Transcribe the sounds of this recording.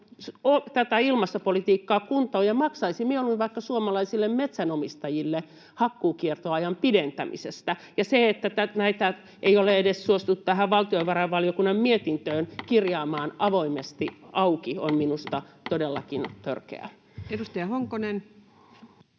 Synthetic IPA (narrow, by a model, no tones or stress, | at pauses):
ot̪æt̪æilmɑst̪opolit̪iːkːɑːkunt̪oːjɑmɑksɑisimieoluinʋɑikːɑsuomɑlɑisilːemmet̪sænomist̪ɑjilːe | hɑkːuːkiert̪oɑjɑmpident̪æ̰mḭsest̪æjɑseet̪ːæt̪ænæit̪æ | ʔeioleedessuost̪ut̪t̪æhæʋʋɑlt̪ioiʋɑrɑʋʋɑliokunːɑmmiet̪int̪øːnkirjɑːmɑːnʔɑʋoimest̪iɑukionminust̪ɑt̪odelːɑ̰kint̪ørkḛæ̰ | edust̪ɑjɑhoŋkonen